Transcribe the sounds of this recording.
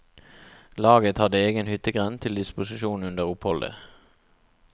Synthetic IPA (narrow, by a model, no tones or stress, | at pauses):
lɑːɡət̪hɑd̪əeːɡənhʏt̪əɡʁɛnt̪ʰɪld̪ɪspʊsɪʃuːn̩ʉnd̪əʁʊphɔld̪ə̰